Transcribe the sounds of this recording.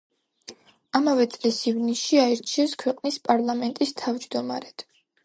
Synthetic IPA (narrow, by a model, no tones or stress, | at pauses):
amavɛt̪sʼlisivniʃiaiɾt͡ʃʰiɛnskʰwɛqʼnispʼaɾlˠamɛnt̪ʼist̪ʰavd͡ʒd̪ɔma̰ɾɛd̪̥